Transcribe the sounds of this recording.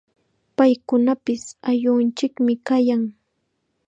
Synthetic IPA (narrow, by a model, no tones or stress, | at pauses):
pajkʊnapɪsaʎʊnt͡ʃɪkmɪkajaŋ